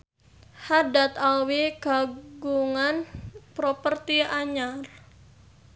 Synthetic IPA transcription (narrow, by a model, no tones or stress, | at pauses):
hadat̪awiɡ̥a̤ɡuŋanpɾopərt̪iaɲar